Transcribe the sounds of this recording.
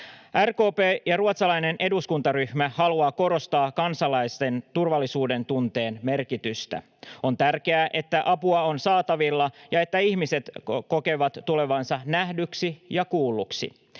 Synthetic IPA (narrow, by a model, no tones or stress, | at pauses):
ʔærko̞ːpeːjɑruɑt̪sɑlɑjne̞nʔe̞duskunt̪ɑryhmæhɑluɑːko̞ɾo̞st̪ɑːkɑnsɑlɑjst̪ent̪urʋɑlːisuːdent̪unt̪e̞ːnme̞rkit̪yst̪æ̰ | o̞nt̪ærke̞æʔe̞t̪ːæʔɑpuɑo̞nsɑːt̪ɑʋilːɑjɑe̞t̪ːæiçmise̞t̪ko̞ke̞ʋɑt̪ːule̞ʋɑnsɑnæhdyksijɑkuːlːuksḭ